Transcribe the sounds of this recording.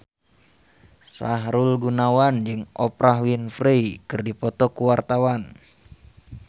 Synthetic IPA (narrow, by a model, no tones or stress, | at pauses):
saɦɾulɡunawand͡ʒɨŋɔpɾaɦwinfreikɨrdipɔt̪ɔkuwart̪awan